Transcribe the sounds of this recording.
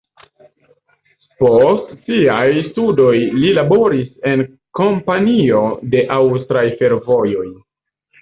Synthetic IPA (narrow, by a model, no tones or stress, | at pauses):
po̞stsiajstudo̞jlilabo̞ɾise̞n | ko̞mpanio̞de̞ʔawstɾajfe̞ɾvo̞jo̞j